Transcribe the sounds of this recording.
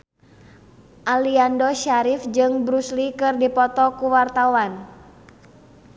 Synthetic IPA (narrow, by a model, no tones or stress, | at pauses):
ʔaliandɔʃaɾifd͡ʒɨŋbɾuslikɨrdipɔt̪ɔkuwart̪awan